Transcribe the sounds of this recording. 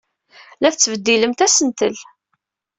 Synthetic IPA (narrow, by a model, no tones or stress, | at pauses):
læθt͡sːvəd̪ːiləmt̪æsənt̪əl